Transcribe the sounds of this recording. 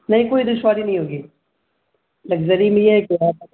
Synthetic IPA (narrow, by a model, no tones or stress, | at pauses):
nɐɦĩkoːid̪ʊʃʋaːɾinɐɦĩɦoːɡiː | lɐɡzəɾimẽjeɦɛkɪja